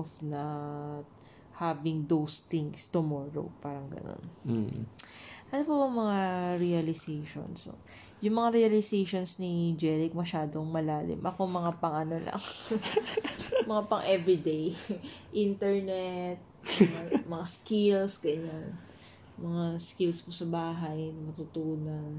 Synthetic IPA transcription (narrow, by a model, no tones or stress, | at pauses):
ʔofnɐt̪ | havɪŋd̪owst̪ɪŋst̪ʊmoːɾo̰paːɾɐŋɡɐ̰no̰n | ʔɐnopɐbɐŋmɐŋaɾiɐlɪsejʃo̰nso̰ | jʊŋmɐŋaɾɛɐlɪsejʃonsnɪd͡ʒɛɾɪk̚mɐʃaːd̪oŋmɐlaːlɪ̰mʔɐkomɐŋapɐŋʔɐnolʔɐ̰ŋ | mɐŋapɐŋʔɛvɹid̪ejʔint̪ɛɹnɛt̪̚mɐŋamɐŋaskɪlsɡɐɲan | mɐŋaskɪlsposɐbaːɦɐjmɐt̪ʊt̪uːnɐn